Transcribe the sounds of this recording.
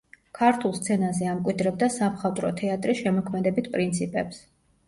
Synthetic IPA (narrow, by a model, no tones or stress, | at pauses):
kʰaɾt̪ʰulˠst̪sʰɛnazɛamkʼwid̪ɾɛb̚d̪asamχat̪ʼɾɔt̪ʰɛat̪ʼɾisʃɛmɔkʰmɛd̪ɛbit̪ʰpʼɾint̪sʰipʼɛps